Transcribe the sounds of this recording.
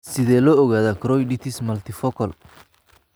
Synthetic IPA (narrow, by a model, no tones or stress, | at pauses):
sɪðɛːlɔːɔɣaːðɐkʰɾɔjɖɪt̪ʰɪsmɐlt̪ʰɪfɔkʰɐl